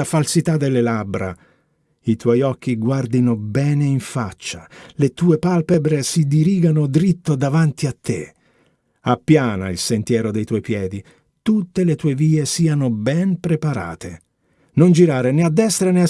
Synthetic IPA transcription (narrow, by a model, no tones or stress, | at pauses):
afalsit̪ad̪elːelabːɾa̰ | it̪wɔjɔk̟ːiɡward̪inobɛːneiɱfat͡ʃːalet̪uːepalpebɾesid̪iɾiːɡanod̪ɾit̪ːod̪avant̪iat̪ːe | apːjaːna̰ilsent̪jɛːɾod̪ejt̪wɔjpjɛːd̪i | t̪ut̪ːelet̪uːeviːesiːanobɛnpɾepaɾa̰ːt̪ʰe | nond͡ʒiɾaːɾenead̪ːɛst̪ɾanea